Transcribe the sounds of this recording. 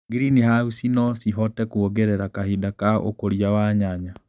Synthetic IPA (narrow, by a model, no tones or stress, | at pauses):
ɡiɾinihausinɔsiɦɔtɛkuoɡɛɾɛɾakahidakao̰koɾjawaɲaɲa